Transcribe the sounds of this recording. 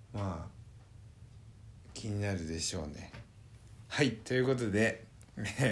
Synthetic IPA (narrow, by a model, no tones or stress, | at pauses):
maː | kʲʰiɲ̟inaɾɯ̟d̪e̞ɕo̞ːne̞̰ | hait̪o̞jɯ̟ko̞t̪̬o̞d̪e̞ | e